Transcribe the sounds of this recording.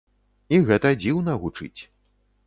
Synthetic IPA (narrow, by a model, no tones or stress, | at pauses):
iɣɛt̪ɐd͡zʲiwnɐɣut͡ʂɨ̰t͡sʲ